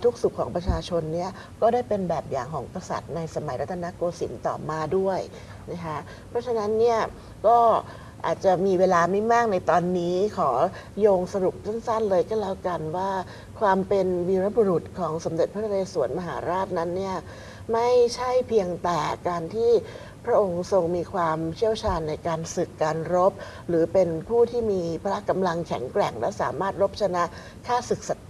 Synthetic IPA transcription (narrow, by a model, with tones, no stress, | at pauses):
t̪ʰu˦˥k̚su˨˩kʰːɔː˩˦ŋpɾa˧t͡ɕʰaː˧t͡ɕʰo˧nːi˥˩ɐ | kɔː˥˩daː˥˩jpe˧nbɛː˨˩p̚jaː˨˩ŋkʰɔː˩˦ŋka˧sa̰˨˩t̪̚na˧jsa˧ma˨˩˦jɾa˦t̪ʰːa˧na˦˥koː˧sḭ˩˦nt̪ɔ̰ː˨˩maː˧du˥˩əj | na˦˥kʰa˦˥ʔ | pʰɾɔ˦˥t͡ɕʰa˧na˦˥nːi˥˩ɐ | kɔː˥˩ | ʔa̰ː˨˩t̪̚t͡ɕa˨˩miː˧weː˧laː˧ma˥˩jmaː˥˩k̚na˧jt̪ɔː˧nːiː˦˥kʰɔː˩˦joː˧ŋsa˧ɾu˨˩p̚sa˥˩nsa˥˩nlɤː˧jkʰaː˥˩lɛː˦˥wka˧nwaː˥˩ | kʰwaː˧mpe˧nwiː˧ɾa˦˥bu˧ɾu˨˩t̪̚kʰɔː˩˦ŋso˩˦mde˨t̪̚pʰa˦˥t̪ʰa˧leː˧suː˨˩˦ənma˧ɦa̰ː˩˦ɾaː˥˩t̪̚na˦˥nːi˥˩ɐ | ma˥˩jt͡ɕʰa˥˩jpʰiː˧əŋt̪ɛː˨˩kaː˧nt̪ʰiː˥˩ | pʰɾa˦˥ʔo˧ŋso˧ŋmiː˧kʰwaː˧mt͡ɕʰi˥˩əwt͡ɕʰaː˧nːa˧jkaː˧nsɯ˨˩kːaː˧nɾo˦˥p̚ | ɾɯː˩˦pe˧npʰuː˥˩t̪ʰiː˥˩miː˧pʰa˧ɾa˦˥ʔka˧mla˧ŋkʰɛ˨˩˦ŋkɾɛ˨˩ŋlɛ̰˦˥sa̰ː˩˦maː˥˩t̪̚ɾo˦˥p̚t͡ɕʰa˧na˦˥ʔ | kʰaː˥˩sɯ˨˩k̚sa˨˩t̪